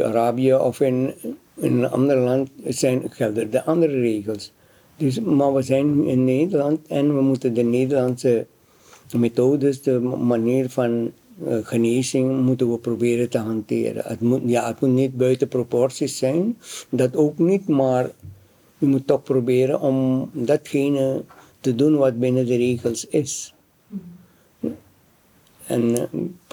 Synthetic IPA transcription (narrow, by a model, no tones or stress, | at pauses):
a̰ɾaːbiəɔfɪn | ɪnɑ̰ndərlɑntsɛjnxɛldərdəʔɑndərəreːɣəlˠs | døsmaʋəzɛjnyɪnːeːdərlɑntɛnʋəmutəndəneːdərlɑnsə | metoːdəsdəmaniːrfɑn | ɣəneːzɪŋmutənʋəprobɪːɾətəɦantɪ̰ːrə̰ə̰tmujaətmutnit̚bœɥtəpropɔrsisːɛjndɑtoːknitmaːr | ymutːɔxprobɪːɾə̰nɔmdɑtxeːnətədunʋɑt̚bɪnədəreːxəlˠsɪs | ɛ̰n